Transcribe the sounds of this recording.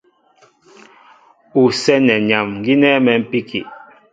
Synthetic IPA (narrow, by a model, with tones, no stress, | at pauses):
u˨sɛ˦nɛ˨ɲa˨mŋ̩˨ɡi˦nɛ˦mɛ˨m̩˨pi˦kʰḭ˨